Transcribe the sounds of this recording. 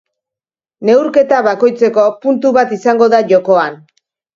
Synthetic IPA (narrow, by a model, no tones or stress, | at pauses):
ne̞wɾke̞t̪aβako̞jt͡se̞ko̞punt̪uβat̪isaŋɡo̞ðaʝo̞ko̞an